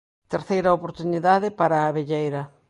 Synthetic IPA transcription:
t̪eɾθejɾɐopoɾt̪uniðaðɪpaɾaːβeʎejɾɐ

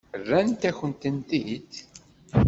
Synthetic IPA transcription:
rːænt̪æçənt̪ənt̪id̪

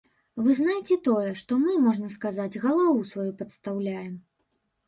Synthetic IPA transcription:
vɨznajt͡sʲɛt̪ɔjɛʂt̪ɔmɨmɔʐnɐskazad͡zʲɣɐlˠavusvajupɐt̪st̪awlʲajɛm

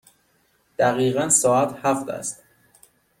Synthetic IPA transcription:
d̪̥æɣiːɣænsɒːæt̪hæft̪æ̰st̪

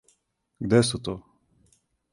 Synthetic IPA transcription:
ɡd̪ɛsut̪o

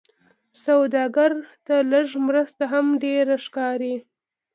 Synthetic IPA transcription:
sawd̪ɑɡaɾt̪aləʒmɾəst̪aɦamɖeɾaʂkɑɾi

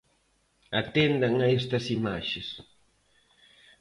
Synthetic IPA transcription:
at̪end̪ɐŋɐest̪ɐsimaʃeɪs

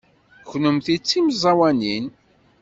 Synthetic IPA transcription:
çnəmθit͡sːimzˤɑwænin

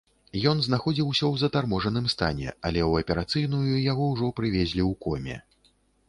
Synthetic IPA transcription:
jɔnznaxɔd͡zʲiwsʲɔwzɐt̪armɔʐɐnɨmst̪a̰nʲɛ̰ɐlʲɛwɐpʲɛɾat̪sɨjnujujaɣɔwʐɔpɾɨvʲezʲlʲiwkɔmʲɛ̰

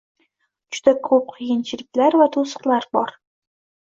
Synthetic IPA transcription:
d͡ʒʊd̪akʰːɵp̚qʰɨjɪnt͡ʃʰɪɾɪklaɾvat̪ʰosə̥qlˠaɾbɒɾ

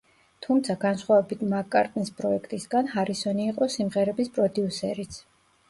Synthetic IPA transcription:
t̪ʰumt̪sʰaɡansχwavɛbit̪ʰmakʼaɾt̪ʼnispʼɾɔɛkʰt̪ʼisɡanhaɾisɔniːqʼɔsimʁɛɾɛbispʼɾɔd̪iusɛɾit̪sʰ

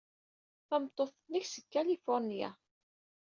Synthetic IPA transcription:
θæmt̪ˤːoθəniçsəkːælifʊɾˤnija̰

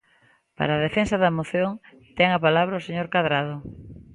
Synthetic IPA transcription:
pa̰ɾaːð̞efensɐðɐemoθjoŋ | t̪ɛŋapalaβɾɐoseɲoɾkaðɾaðʊ

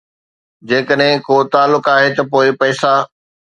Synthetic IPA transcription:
d͡ʑeːkəɗɦɪ̃koːt̪aːlːʊkaːɦet̪ɐpoːɪpɐːsa

